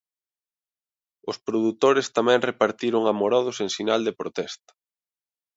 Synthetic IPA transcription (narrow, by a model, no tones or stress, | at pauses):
ʊspɾoðut̪oɾest̪amɛ̃ŋrepaɾt̪iɾʊŋamoɾɔðʊseŋsinald̪epɾot̪ɛst̪ɐ̥